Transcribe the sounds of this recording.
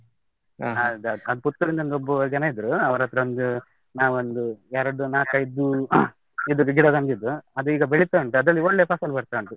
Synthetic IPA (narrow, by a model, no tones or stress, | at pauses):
ɐd̪ɐd̪ɐd̪uput̪ːɐɾind̪ɐond̪obːɐd͡ʒɐnɐid̪ɾuɐʋɐɾɐt̪ːɾɐond̪u | naːʋond̪uaːɾoɖːunaːkɐjid̪u | id̪uɡɡiɽoɡɐnd̪id̪ːuɐd̪uiːɡɐbeɭit̪ɐɐɳʈuɐd̪ɐlːiɔɭːeːpaːsɐlbɐɽt̪aɐɳʈu